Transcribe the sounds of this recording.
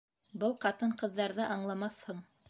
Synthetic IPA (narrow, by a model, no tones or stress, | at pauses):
bɤlˠqɑt̪ɤɴqɤ̆ðːɑɾðɤʔɑɴlˠɑmɑθhɤɴ